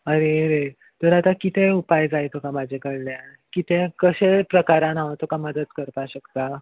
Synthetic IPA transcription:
əɾeɾe | t̪əɾat̪akit̪eupajd͡zajt̪ʰokamad͡ʑʱekəɽlja | kit̪ẽkəɕepɾəkaɾãnaʋət̪ʰokaməd̪ət̪kəɾpaɕəkt̪a

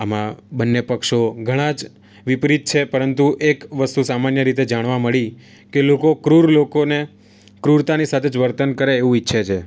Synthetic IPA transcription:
amãbənːepəkʃoɡʱəɽ̃ãd͡ʒ | ʋipɾit̪̚t͡ʃʰepəɾənt̪uʔekʋəst̪usamanjəɾit̪̬ed͡ʒaɽ̃ʋaməɭi | kelokokɾuɾlokone | kɾuɾt̪anisat̪ʰed͡ʒʋəɾt̪ənkəɾeːʋũitːʃʰet͡ʃʰe

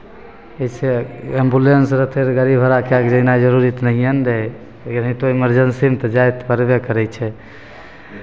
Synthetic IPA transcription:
eseembulensɾət̪ʰeɾɡəɾibʱəɾakeakd͡ʒəinad͡ʒəɾuɾit̪nəɦijənɾɛ | ɡənɦit̪oiməɾd͡ʒənsimt̪d͡ʒajt̪pəɾbekəɾɛt͡ʃʰɛ

